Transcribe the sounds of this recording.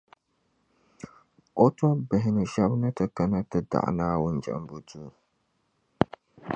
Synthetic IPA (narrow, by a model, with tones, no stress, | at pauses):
o˦tɔ˦bɪ˨ɦɪ˨nɨ˨ʃa˦bna˦tɨ˨ka˨na˦tɨ˨˦da̰˨ʔnaː˦wʊ˦nd͡ʒa̰˨m˦bo˦tuː˦